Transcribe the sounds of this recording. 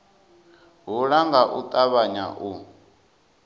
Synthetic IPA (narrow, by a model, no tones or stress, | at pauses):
ɦuɺaŋɡaʔut̪ʼaβaɲa̰ʔu